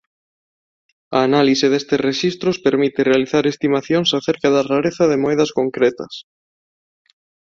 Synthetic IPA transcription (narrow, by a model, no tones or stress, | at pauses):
ɐːnaliseðest̪esreʃist̪ɾʊspeɾmit̪ɪrealiθaɾest̪imaθjoŋsaθeɾkɐðɐraɾeθɐðemoɛðɐskoŋkɾet̪ɐs